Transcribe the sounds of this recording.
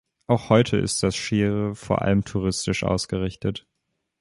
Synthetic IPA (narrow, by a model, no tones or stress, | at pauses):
ʔaʊxhɔʏtʰəʔɪ̰st̚d̥asʃeːʁəfoːɐʔa̰ləmtʰuʁ̞ɪstɪʃʔa̰ʊsɡ̥əʁɪçtət